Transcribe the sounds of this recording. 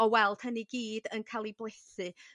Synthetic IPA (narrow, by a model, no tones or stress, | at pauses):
ɔwɛlˠd̥həniɡiːdənkʰalˠiblˠesɨ